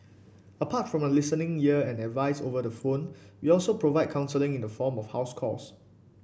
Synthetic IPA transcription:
əpʰatfɹɔ̃məlɪsənɪ̃ŋjiəɛ̃nɛdvaɪsovədəfõnwiɔlsopɹovaɪd̚kʰãʊ̃nsəlɪ̃ŋĩndəfɔmɔfhaʊskʰɔ̰s

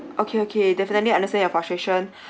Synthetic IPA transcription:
ʔokʰeokʰedɛfənətliãndəstɛ̃njɔfastɹeʃə̃n

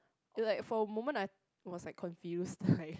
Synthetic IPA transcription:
ɪlaɪkfɔəmõmə̃naɪ | wɔslaɪkʰːɔ̃nfjustlaɪk

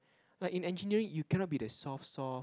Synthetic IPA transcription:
laɪkĩnɛ̃nd͡ʒiniəɹĩŋjukʰɛnɔt̚bidəsɔfsɔ

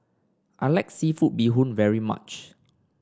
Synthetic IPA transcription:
ʔalak̚sifut̚biɦũnvɛɹima̰t͡ʃ

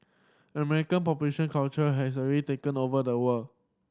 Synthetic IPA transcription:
əmɛɹikə̃npɔpjuleʃə̃nkʰalt͡ʃəɦɛs̬əɹitekə̃novədəwə

